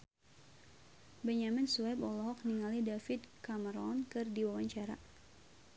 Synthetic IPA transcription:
bɛɲaminsuɛbɔlɔɦɔk̚niŋalidafid̪kaməɾɔnkɨrdiwawaɲt͡ʃaɾa̰

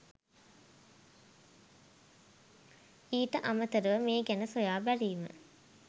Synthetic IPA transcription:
iːʈəʔamət̪əɾuʋəmeːɡænəsojaːbæɾiːmə̰

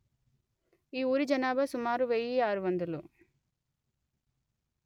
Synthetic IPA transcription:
iːuːɾid͡ʒɐnaːbɐsumaːɾuʋejiaːɾuʋɐnd̪ulu

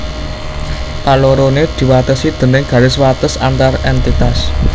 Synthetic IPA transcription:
kaloɾoned̪̥i̤wat̪əsid̪̥ə̤nɪŋɡ̥ä̤ɾɪswat̪əsa̰nt̪arɛnt̪it̪as

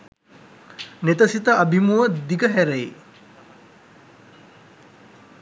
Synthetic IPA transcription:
net̪əsit̪əʔabʱimuəd̪iɡəɦæɾej

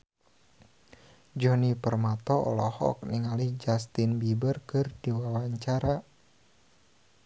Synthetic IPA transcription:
d͡ʒɔnipərmat̪ɔɔ̰lɔhɔ̰k̚niŋalid͡ʒast̪inbibərkɨrdiwawaɲt͡ʃaɾa

